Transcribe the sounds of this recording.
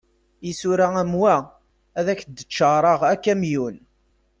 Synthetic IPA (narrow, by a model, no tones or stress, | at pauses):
isuɾææmwæ | æðæçd̪ːət͡ʃːəɾˤɑʁækːæmjun